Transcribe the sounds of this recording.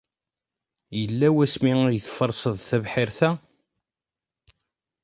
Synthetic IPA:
jəlːæwæsmijθfəɾˤsəðˤθævħɪɾθæ

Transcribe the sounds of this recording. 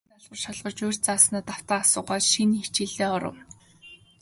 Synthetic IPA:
t̪aɮʁə̆rʃaɮʁɞ̆rt͡ɕoːr̥ʲt͡saːsnaːt̪aw̥t̪aːasʊːɢaːt͡ɕʃinxit͡ɕiɮeːɔɾə̰̆w

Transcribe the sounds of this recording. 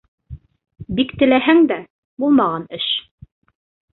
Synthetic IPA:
bikt̪ɘ̆læɦæŋd̪æ | bulˠmɑʁɑnɘʃ

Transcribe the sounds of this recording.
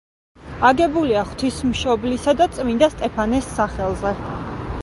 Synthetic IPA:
aɡɛbuliaχw̥t̪ʰismʃɔblisad̪at̪sʼmind̪ast̪ʼɛpʰanɛsːaχɛlˠzɛ

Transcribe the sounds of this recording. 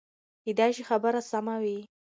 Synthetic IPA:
hid̪ɑʃixabəɾasamawi

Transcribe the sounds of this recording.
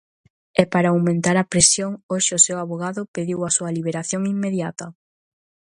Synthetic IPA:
ɛpaɾaawmẽnt̪aɾɐpɾesjoŋoʃɪʊsewaβoɣaðʊpeðiwɐsuɐliβ̞eɾaθjoŋimːeðjat̪ɐ

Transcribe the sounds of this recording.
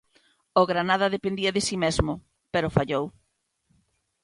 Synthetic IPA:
oɣɾanað̞ɐðepẽnd̪iɐðɪsimezmʊ | peɾʊfaʎow

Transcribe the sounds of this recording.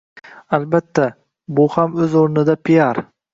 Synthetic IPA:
albat̪ʰːa | bʊhamɵzoɾnɪd̪apʰijaɾ

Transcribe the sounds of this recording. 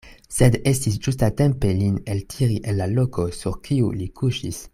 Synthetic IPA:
sed̪estis̬d͡ʒustate̞mpe̞lineltʰiɾiʔenlalokʰo̞suɾkʰiulikuʃḭs

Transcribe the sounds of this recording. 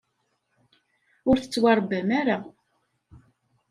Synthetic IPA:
ʊɾθə̥t͡sːwɑɾˤbæmæɾa

